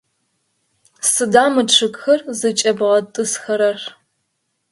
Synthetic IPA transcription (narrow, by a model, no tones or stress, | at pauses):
sɨdaːmɨʈ͡ʂʰɨkxɐrzɨt͡ʃʼɐbʁɐtʼɨsxɐɾɐr